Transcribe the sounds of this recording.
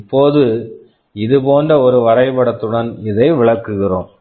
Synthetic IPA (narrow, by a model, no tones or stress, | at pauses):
pːoːðɯ | ɪðɯpoːndrɐɔɾɯʋɐɾɐɪpɐɽɐt̪ːɯɽɐnɪðɐɪʋɪɭɐɾkːɯɣɪroːm